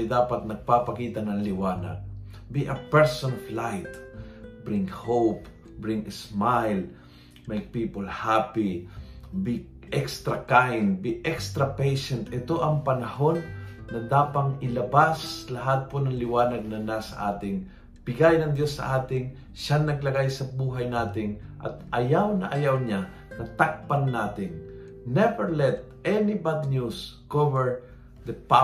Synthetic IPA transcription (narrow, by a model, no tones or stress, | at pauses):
jd̪aːpɐt̪̚nɐɡ̚papɐkiːt̪ɐnɐŋlɪwaːnɐ̰ɡ̚ | biʔɐpɛɹsonɔflajt̪bɹɪŋhowp | bɹɪŋsmajl | mejk̚piːpolhapi | bi | ʔɛkst̪ɾakajnd̪̚biʔɛkst̪ɾɐpejʃɛnt̪ʔɪt̪o̞ʔɐŋpɐnɐho̞nːɐd̪aːpɐŋɪlɐbaslɐɦat̪̚ponɐŋlɪwaːnɐɡ̚nɐnasɐ̰ʔa̰ːt̪ɪŋ | pɪɡajnɐŋd̪josːɐ̰ʔaːt̪ɪŋ | ʃaŋnɐɡ̚lɐɡajsɐbuːɦɐjnaːt̪ɪŋʔɐ̰t̪ʔɐjawnɐ̰ʔɐjawɲa | nɐt̪ak̚pɐnːaːt̪ɪŋ | nɛvɛɹlɛt̪̚ | ʔɛnɪbad̪ɲuskovɛɹ | d̪ɐpa